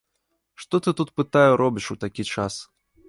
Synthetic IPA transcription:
ʂt̪ɔt̪ɨt̪ut̪pɨt̪ajuɾɔbʲiʂut̪akʲit͡ʂas

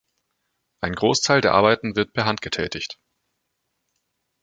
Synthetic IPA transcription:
ʔaɪnɡʁoːstʰaɪldeːɐʔa̰ɐbaɪtn̩vɪɐt̚pʰɛɐɦantɡ̥ətʰɛ̰ːtʰɪçt

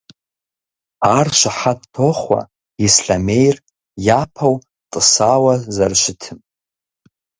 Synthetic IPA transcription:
arʃʷaħad̚tʰoχwa̰ | isɬame̞jr | japʰaw | tʼɨsawazarʃʷɪtʰɨm

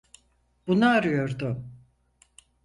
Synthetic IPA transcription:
b̥unaːɾɯjo̞ɾd̪ʊ

